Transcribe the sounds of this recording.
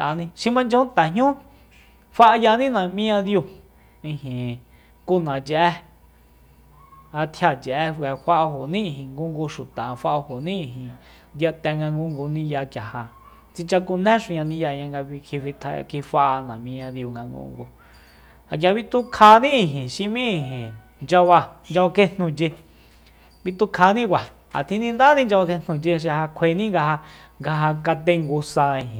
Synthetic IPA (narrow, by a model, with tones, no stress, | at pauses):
t̪ʔa˨nĩ˧ʃĩ˧mã˧nd͡ʒõ˧˦õ˦nt̪a˨ɦjũ˦ | fa˦ʔa˧ja˧nĩ˦nã˨mĩ˦ã˧ðju˧ | ĩ˧hĩ˨ | ku˦nã˨t͡ʃɛ˧ʔɛ˦ | a˧t̪ʰja˧˨t͡ʃɛ˨ʔɛ˦˧ɛ˨ɸa˦ʔho˨nĩ˦˧˨ɦĩ˨ŋɡu˦ŋɡu˧ʃu˨t̪a˨˧fa˧ʔa˧ho˨nĩ˦ĩ˨ɦĩ˨ | nd̪ja˧t̪ɛ˧ŋɡa˧ŋɡu˧ŋɡu˧nĩ˦ja˧kja˨ha˨ | t͡si˧t͡ʃa˧ku˧nẽ˦ʃũ˧ɲã˧nĩ˦ja˧ɲã˧ŋɡa˧βi˧kʰi˧fi˧t̪ʰa̰˧kʰi˧fa˧ʔa˧nã˨mĩ˧ã˧ði˧u˧ŋɡã˧ŋɡṵ˧ŋɡu˧ | a˨kja˨˧βi˧t̪ũ˦kʰa˧nĩ˦ĩ˧˨ɦĩ˨ʃĩ˧mĩ˦i˧˨ɦĩ˨ | nd͡ʒa˧βa˧nd͡ʒa˧ke˦n̥nũ˧t͡ʃe˧ | βi˧t̪u˧kʰa˧nĩ˦kʷa˨ | a̰˨t̪ʰĩ˦nĩ˧nd̪a˦nĩ˦nd͡ʒa˧βa˧ke˧n̥nũ˧t͡ʃe˧ʃ̬i˧ha˧kʷʰe˧˨nĩ˦ŋɡa˧ɦa˧ | ŋɡa˧ɦa˧ka˧t̪e˧ŋɡu˧sa˧ĩ˧hĩ˨